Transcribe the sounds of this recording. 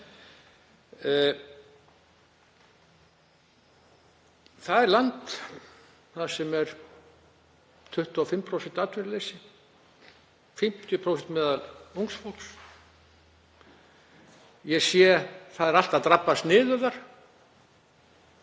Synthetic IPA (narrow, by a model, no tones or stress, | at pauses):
θaðɛɾlant̪ | θasɛmɛɾ̥ | t̪ʰʏht̪ɔfɪmːpʰɾowsɛnt̪aːt̪vɪɾɪlejsɪ | fɪm̥t̪ʰjʏpʰɾowsɛnt̪mɛːðaluŋksfowls | jɛsjɛθaðɛɾal̥t̪aðt̪ɾapːast̪nɪːðʏðaɾ̥